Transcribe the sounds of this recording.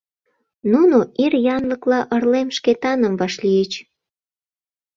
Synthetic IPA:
nunoʔirjɑnləklɑʔərlemʃket̪ɑnəmβɑʃlijət͡ɕ

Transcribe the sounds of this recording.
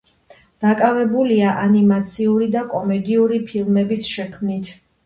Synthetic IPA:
d̪̥akʼavɛbuliaʔanimat̪sʰiuɾid̪akʼɔmɛd̪iuɾipʰilˠmɛbisʃɛkʰmnit̪ʰ

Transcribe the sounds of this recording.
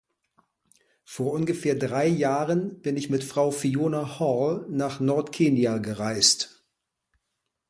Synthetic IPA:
foːɐʔʊnɡəfeːɐdʁaɪjaːʁənb̥ɪnɪçmɪtfʁ̥aʊfioːnahɔlnaːχnɔɐtkʰeːnjaɡəʁaɪst

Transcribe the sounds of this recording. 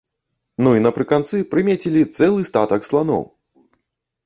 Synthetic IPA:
nuinɐpɾɨkant̪sɨpɾɨmʲet͡sʲilʲit̪sɛlˠɨst̪at̪ɐkslˠanɔ̰w

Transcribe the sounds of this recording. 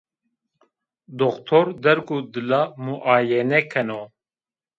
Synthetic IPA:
d̪oxt̪ʰoɾd̪ɛɾkud̪ɨlamuʔaːjɛnɛkʰɛno

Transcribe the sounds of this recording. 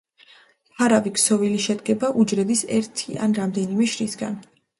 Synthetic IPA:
hʰaɾaviksɔviliʃɛd̪̚ɡɛbaʔud͡ʒɾɛbisɛ̰ɾt̪ʰiʔa̰nɾamd̪ɛnimɛʃɾisɡa̰n

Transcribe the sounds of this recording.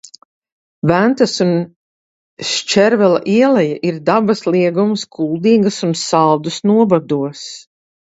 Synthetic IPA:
vænt̪ɐsun | ʃt͡ʃɛɾvɛlˠa̰ʔiɛlɛjaʔiɾd̪abɐslˠiɛɡumskʰulˠd̪iːɡɐsunsalˠd̪usnuɔbad̪uɔs

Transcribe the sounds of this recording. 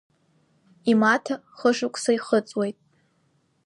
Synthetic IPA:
imatʰa | χəʂʊkʷʼʰsaiχət͡sʼwejtʼ

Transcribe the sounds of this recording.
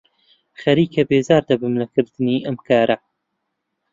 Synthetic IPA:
xɐɾiːkɐbeːzaːɾd̪ɐbɨmlɐkɨɾd̪̥ɨniːʔɐmkʰaːɾʔɐ

